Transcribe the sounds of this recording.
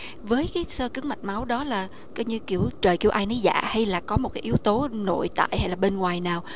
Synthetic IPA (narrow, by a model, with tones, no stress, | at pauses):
vəː˨˦jkaː˨˦jsəː˧kɨ˨˦˥əŋma˨˩t̚ma˨˦wɗɔ˨˦laː˨˩ | kɔ˧wɲɨ˧ki˧˩əwt͡ɕəː˨˩jki˧˩əwʔaː˧jnə˨˦jza̰ː˧˨ha˧jlaː˨˩kɔ˨˦mo˨˩t̚kaː˨˦ʔi˨˦əwt̪o˨˦no̰˧˨jt̪a̰ː˧˨jha˧jlaː˨˩ɓe˧nŋwaː˨˩jnaː˨˩w